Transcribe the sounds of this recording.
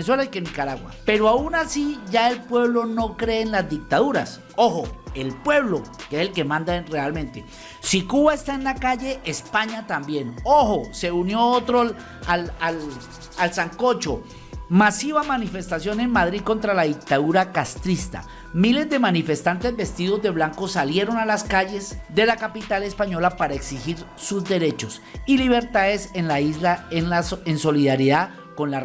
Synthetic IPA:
s̬welaikenːikaɾaɣwa̰pe̞ɾoaunasiʝae̞lpwe̞βlo̞no̞kɾe̞ːnlazd̪ik̚t̪aðuɾa̰s | o̞xoe̞lpwe̞βlo̞keeselke̞mãnd̪arealmẽ̞nt̪e̞ | sikuβae̞st̪aenlakaʝe̞ʔespaɲat̪ambje̞noxo̞se̞unjo̞ot̪ɾo | alal | alsaŋko̞t͡ʃo̞ | masiβamanife̞st̪asjo̞ne̞nmað̞ɾiðko̞nt̪ɾalaðik̚t̪aðuɾakast̪ɾist̪a̰ | mile̞zd̪e̞manife̞st̪ant̪e̞zbe̞st̪iðo̞zd̪e̞βlaŋko̞salje̞ɾo̞nalaskaʝe̞zd̪e̞lakapit̪ale̞spaɲo̞lapaɾaeksixiɾ | suzd̪e̞ɾe̞t͡ʃo̞s | iliβe̞ɾt̪aðe̞senlailaaenso̞liðaɾjiða | ko̞nla

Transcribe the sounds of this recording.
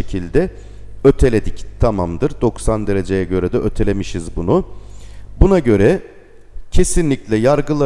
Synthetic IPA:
ecʰilʲd̪ɛ | ø̞t̪ʰe̞lʲe̞d̪ict̪ʰamamd̪ɯɾd̪o̞ksand̪e̞ɾe̞d͡ʒe̞jɛɟø̞ɾɛd̪ɛʔøt̪ʰe̞lʲemiʃizbunʊ | bunaɟø̞ɾɛ | cʰe̞sinlʲiclʲɛjaɾɡɯlˠa

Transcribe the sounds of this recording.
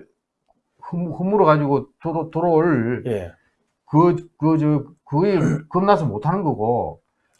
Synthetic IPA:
hɯmhɯmːuɾɯkad͡ʑiɡotoɾotoɾoɭje | kɯkɯd͡ʑɯkɯikɯnːasʰɯmotʰanɯnɡʌɡo

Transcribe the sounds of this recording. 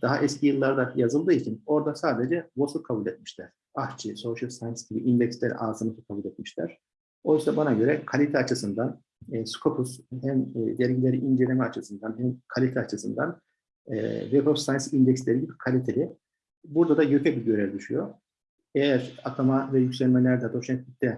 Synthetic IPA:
d̪̥aɦaʔɛscʰijɯlˠːaɾd̪ajazɯlˠd̪ɯːit͡ʃʰino̞ɾd̪asaːd̪ed͡ʒɛvosɯt̪̚kʰabulʲɛt̪mi̥ʃlʲæɾ̥ | aht͡ʃʰisoʃɯlʲsajnsɟibiʔind̪ɛcslʲeɾḭʔaːzɯnɯt̪ɯ̥kʰabulʲɛt̪̚miʃlʲæ̰ɾ̥ | o̞jysabanaɟø̞ɾɛkʰalʲit̪ʰɛat͡ʃʰɯsɯnd̪anː | skʰopʰushɛmːd̪ɛɾʲɟilʲeɾiind͡ʒelʲemɛat͡ʃʰɯsɯnd̪anɦɛmkʰalʲit̪ʰɛat͡ʃʰɯsɯnd̪a̰n̰ | vepofsajnsind̪ɛcslʲeɾiɟibikʰalʲit̪ʰelʲi | buɾd̪ad̪ajø̞pʰʲɛbiɟø̞ɾɛɾid̪yʃyjo | ɛjjæɾat̪ʰomavɛjycʲsʲɛlʲmɛlʲæɾd̪ɛd̪o̞ʃmɛt̪lʲic̚t̪ʰɛ

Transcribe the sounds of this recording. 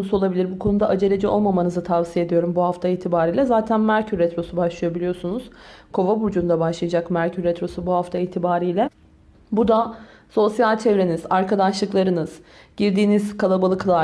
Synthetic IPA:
onusuo̞lˠabilʲiɾbukʰo̞nud̪aʔad͡ʒe̞lʲed͡ʒɛo̞̰lˠmamanɯzɯt̪ʰavsije̞d̪ijo̞ɾumbuɦaft̪ʰaiːt̪ʰibaːɾiːlʲɛzaːt̪ʰænmæɾcʰyɾːɛt̪ɾo̞subaʃlˠɯjabilʲijo̞sunuz̥kʰo̞vabud͡ʒund̪abaʃlˠɯjad͡ʒakmæɾcʰyɾːɛt̪ɾo̞subuhaft̪ʰaiːt̪ʰibaːɾiːlʲɛ | bud̪a | so̞sjalʲt͡ʃʰevɾe̞nizaɾkʰad̪aʃlˠɯklˠaɾɯnɯz̥ | ɟ̥iɾd̪iːniz̥kʰalˠabalˠɯklˠa

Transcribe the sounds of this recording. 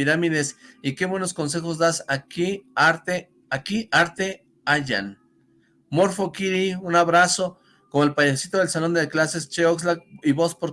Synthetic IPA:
iɾamiðesikeβwenoskons̬exosd̪asakiaɾt̪e | akiʔaɾt̪e | aʝa̰n | moɾfokiɾiunaβɾaso | komoelpajesit̪oðelsalond̪eklasest͡ʃeoks̬lakiβospoɾ

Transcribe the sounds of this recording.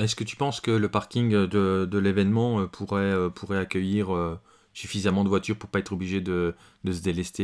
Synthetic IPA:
ɛskət̪y̥pɑ̃skələpaʁkʲiŋd̪əd̪əlevɛnmɑ̃øpʰuʁɛøpʰuʁɛakʲəjiʁø | syfizamɑ̃d̪əvwat̪yʁpuʁpaɛt̪χɔbliʒed̪ə | d̪əsəd̪elɛst̪e

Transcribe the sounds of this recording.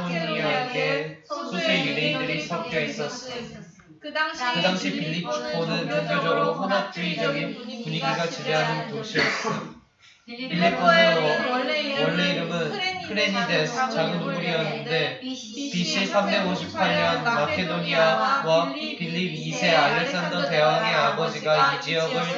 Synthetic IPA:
uɲiɡesʰosʰejɯɾeindɯɾisʰak̚p͈ʌis͈ʌs͈ʌo | kɯdaŋɕʰipilːipʰpʰonɯnːunɡod͡ʑʌɾoɦanat͡ɕ͈iid͡ʑʌnipuɲiɡiɡat͡ɕiɾeɦanɯntoɕʰiʌ | pʰilːipʰoneowʌɭːeiɾɯmɯnpʰɯɾeɲidesʰt͡ɕaɡɯnomuɡejʌnːɯnde̞ | piɕʰisʰambe̞ɡoɕʰip̚sʰaɭɲʌnmakʰe̞doɲiawapilːibisʰe̞aɭːeks͈andʌte̞ɦane̞abʌd͡ʑiɡaid͡ʑiʌɡɯɭ

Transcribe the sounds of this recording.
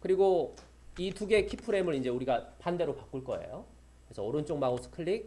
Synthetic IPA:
kɯɾiɡo | ituɡe̞kʰipʰɯɾe̞mɯɾind͡ʑe̞uɾiɡapande̞ɾopak͈uɭk͈ʌe̞̰jo | kɾesʰʌːɾɯnt͡ɕ͈oŋmaosʰɯ̥kʰɯɭːik̚

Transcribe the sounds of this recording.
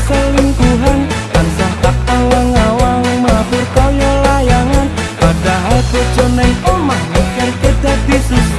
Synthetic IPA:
səliŋkuɦankansaht̪ak̚alaŋawaŋmapʊrkawjalajaŋanpadaɦalp̪ɔ̥d͡ʒ̥ɔnaomanakaɾikəd̪ad̪isu

